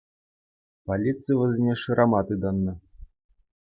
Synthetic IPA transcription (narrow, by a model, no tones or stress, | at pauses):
palʲit̪sɨjvɐzʲnʲɛʂɨɾʔamat̪ɨd̪anːa